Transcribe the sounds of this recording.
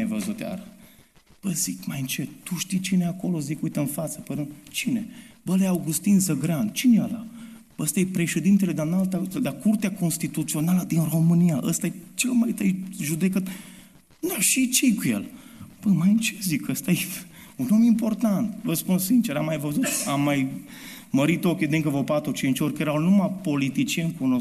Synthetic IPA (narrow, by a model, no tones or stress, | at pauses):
ajvəzut̪a̰ɾə | b̥əzikmajɨnt͡ʃe̞t̪t̪uʃt̪ijt͡ʃineako̞lo̞zikujt̪əɨnfat̪səpəɾunt͡ʃinebəleawɡust̪inzəɡɾan̚t͡ʃinejala̰ | əst̪ajepɾe̞ʃe̞d̪int̪eled̪analt̪ad̪akurt̪eako̞nst̪it̪ut̪sio̞naləd̪inro̞mɨnijaʔəst̪ajet͡ʃelmajt̪əjʒud̪e̞kət̪ | d̪aʃit͡ʃejkujḛl | b̥əmajnt͡ʃezikʰəst̪aje | unomimpo̞rt̪ant̪vəspunssint͡ʃeɾamːajvəzut̪amːajməɾit̪o̞kʲed̪eŋkəvopat̪ɾut͡ʃint͡ʃʲorʲkjeɾawnumapo̞lit̪it͡ʃienkuno